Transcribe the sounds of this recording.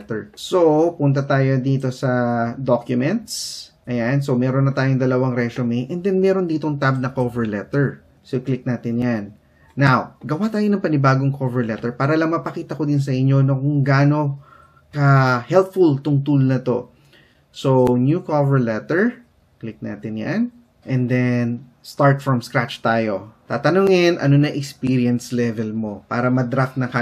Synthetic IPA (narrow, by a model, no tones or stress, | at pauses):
t̪ɛɹsopʊnt̪ɐt̪aːjo̞d̪iːt̪o̞sɐd̪okjʊmɛnt̪sʔɐjanso̞mɛːɾonːɐt̪aːjoŋd̪ɐlɐwaŋɾɛsomɛʔɛnd̪ɛnmɛːɾo̞nd̪iːt̪oŋt̪ab̚nɐkovɛɹlɛt̪ɛɹ | soklɪk̚naːt̪ɪnjanː | awɡɐwat̪aːjo̞nɐŋpɐnɪbaːɡo̞ŋkʰovɛɹlɛt̪ɛɹpaːɾɐlɐŋmɐpɐkiːt̪ɐkod̪ɪns̬ɐʔɪɲːo̞nɐkʊŋɡaːno̞ | kɐhɛlpfʊlt̪ʊŋt̪ulnɐt̪o̞̰ | sonjuːkovɛɹlɛt̪ɛɹ | klɪk̚na̰ːt̪ɪnja̰n | ʔɛ̃nd̪ɛn | st̪aɹt̪fɹɐmskɹat͡ʃt̪aːjo̞t̪aːt̪ɐnuːŋɪnʔɐ̰no̞nɐŋʔɛkspiɾiɛnslɛvɛlmo̞pa̰ːɾɐmɐd̪ɾak̚nɐka